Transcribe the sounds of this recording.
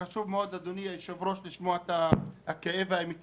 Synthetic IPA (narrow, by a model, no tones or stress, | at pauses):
aʃuvmeod̪ad̪oniajeʃevʁo̞ʃliʃmoaet̪aakeevaimit̪